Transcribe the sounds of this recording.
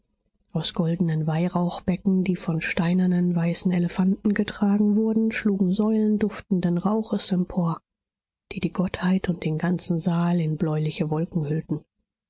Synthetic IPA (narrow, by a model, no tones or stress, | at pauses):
ʔaʊsɡ̥ɔldn̩ənvaɪʁaʊxb̥ɛkŋ̩diːfɔnʃtaɪnɐnənvaɪsn̩ɛləfantn̩ɡətʁ̥aːɡŋ̩vʊɐdn̩ʃluːɡŋ̩zɔʏləndʊftn̩dənʁaʊχəsɛmpʰoːɐ | d̥iːdiːɡɔthaɪtʰʊnt̚d̥eːnɡant͡sn̩zaːlɪnblɔʏlɪçəvɔlkŋ̩hʏltn̩